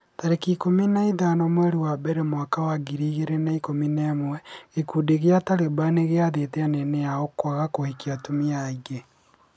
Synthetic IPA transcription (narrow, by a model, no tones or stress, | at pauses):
taɾekikominaiðanɔmwɛɾewabɛɾemwakawaɡiɾiːɣeɾenaikominɛmwɛekudeɣeataɾebaneɣeaðeteanɛneaokwaɣakohikiatumiaiɣe